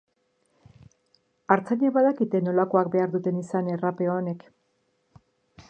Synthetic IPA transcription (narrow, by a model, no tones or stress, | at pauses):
aɾt͡saɲaβaðakit̪e̞no̞lako̞akbe̞aɾðut̪e̞nisane̞rape̞oone̞k